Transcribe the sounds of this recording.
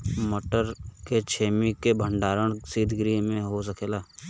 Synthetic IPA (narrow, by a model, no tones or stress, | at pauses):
məʈəɾket͡ʃʰeːmikebʱəɳɖaːɾəɳ̃siːd̪ʱɡɾimẽɦos̬əkʰeːlaː